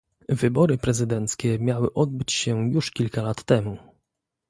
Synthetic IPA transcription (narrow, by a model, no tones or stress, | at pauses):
vɘbɔɾɘpɾɛzɘd̪ɛnt̪skʲɛmʲjawɘʔɔd̪̚bɘt͡ɕɕɛjuʂkʲilkalat̪ːɛmu